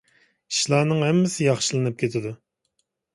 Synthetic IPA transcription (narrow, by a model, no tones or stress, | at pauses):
i̥ʃlˠɑːnɨŋhɛmːɪsɪjɑχʃɨlˠɨnɨp̚kʲʰet̪ʰɪd̪u